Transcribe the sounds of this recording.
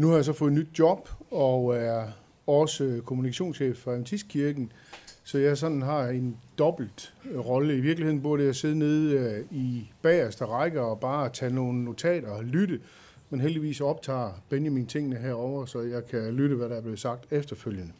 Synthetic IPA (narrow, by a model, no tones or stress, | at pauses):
nuhɑ̈jɑ̈sɒ̽fɔ̽ð̩ˠnyd̥̚jɒ̽b̥ɒæɐ | ɒ̽səkʰo̝munikʰæɕo̝̰ːnsɕḛːfɒæt͡sʰisɡ̥̚kʰiɐɡ̥n̩ | sɒ̽jɑ̈ɪs̬ɒ̽nn̩ɦɑ̈e̝nd̥ɒ̽b̥l̩d̥ʁɒ̽ləiʋiɐɡ̥lie̝ð̰ˠn̩b̥uɐɾ̥əjɑaɪse̝ðˠəne̝ð̞ˠib̥ɛːsd̥ɐʁaɡ̥əɒ̽b̥ɑ̈ːt͡sʰæno̝ːn̩ːo̝t͡sʰɛ̰ːɾ̥ɐlyɾə | menɦel̰d̥iʋḭːsɒ̽b̥̚t͡sʰɑ̰̈ːb̥enjæmint͡sʰe̝ŋ̰nəɦeɐ̰ɒʊɐsɒ̽jɑ̈ɪkʰælyɾəʋæɾɑ̈æɐb̥le̝ð̩ˠsɑ̈ɡ̥̚d̥efd̥ɐføljənə